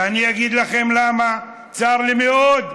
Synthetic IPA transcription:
aniaɡid̪laχe̞mlama | t͡saʁlimeod̪

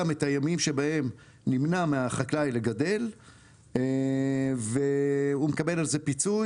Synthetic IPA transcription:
ametajamimʃe̞bahe̞m | nimnameaχaklajleɡade̞l | veumekabe̞lalze̞pit͡su

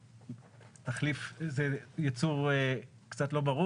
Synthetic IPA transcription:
taχlifzejat͡suʁ | kt͡satlo̞baʁu

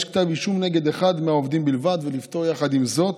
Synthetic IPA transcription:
ʃkt̪aviʃumneɡe̞d̪eχad̪meaovd̪imbilvad̪velift̪o̞ʁjaχad̪imzo̞t̪

